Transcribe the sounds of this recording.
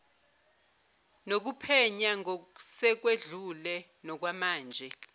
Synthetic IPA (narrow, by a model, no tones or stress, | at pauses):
nok̬upʰɛɲaŋɔsɛk̬weɮulɛ | nɔk̬wamaːnd͡ʒʱɛ